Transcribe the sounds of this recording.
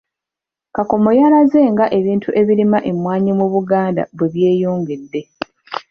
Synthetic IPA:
kako̞mo̞jalaze̞ŋɡaʔe̞βiːntʰuʔe̞βiɾimaʔemwaːɲimuβuɡaːnda̰βweβje̞ːjoːŋɡe̞dːe̞

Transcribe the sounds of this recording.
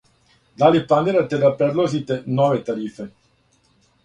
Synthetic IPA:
d̪alipːand̪eɾat̪ed̪apɛɾlozit̪enɔːvet̪aɾiːfe

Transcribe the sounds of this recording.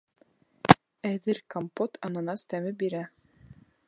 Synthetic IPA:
æðɘɾkompot̪ʰɑnɤ̆nɑst̪æmɘbiɾæ

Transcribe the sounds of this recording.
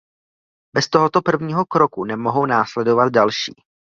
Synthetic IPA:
bɛst̪oɦot̪o̞pr̩vɲiːɦo̞kɾo̞kunɛmo̞ɦo̞wnaːslɛdo̞vat̪̚dalʃḭː

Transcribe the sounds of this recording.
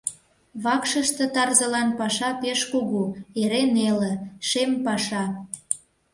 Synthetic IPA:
βɑkʃəʃt̪ə̆t̪ɑrzəlɑnpɑʃɑpeʃkuɣueɾenelə̆ʃempɑʃɑ

